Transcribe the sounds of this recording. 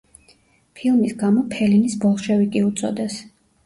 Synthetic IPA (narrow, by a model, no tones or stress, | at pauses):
pʰilˠmisɡamɔpʰɛlinisbɔlˠʃɛvikʼiut̪sʼɔ̰d̪ɛs